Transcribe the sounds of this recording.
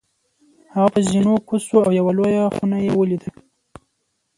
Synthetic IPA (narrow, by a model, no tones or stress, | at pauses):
haɣapəzinokusoawjawalojaxunajewəlid̪ə